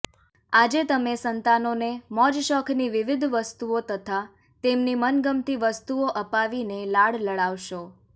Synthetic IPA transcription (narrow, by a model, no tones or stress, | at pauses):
ad͡ʒet̪əmesənt̪anonemɔd͡ʒʃɔkʰniʋɪʋɪd̪ʱʋəst̪uot̪ət̪ʰa | t̪emnimənɡəmt̪iʋəst̪uoʔəpaʋinelaɽləɭaʋʃo